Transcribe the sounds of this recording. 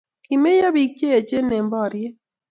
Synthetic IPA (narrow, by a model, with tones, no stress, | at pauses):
ki˨me˦ja˦bi˨k̚t͡ʃe˦e˨t͡ʃe˦ne˨mbɔ˦˨ɾje˦